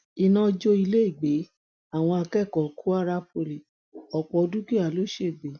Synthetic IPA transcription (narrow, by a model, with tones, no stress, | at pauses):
i˧nã˦d͡ʒo˧i˧le˦i˦˨ɡ͡be˨˦ | a˦˨w̃ɔ̃˧a˧kɛ˦˨kɔ˨kʰu˦a˦ɾa˦po˨˧˨le˨ | ɔ˨k͡pɔ˧du˦ki˦˨a˨lo˦ʃe˦˨ɡ͡be˨˦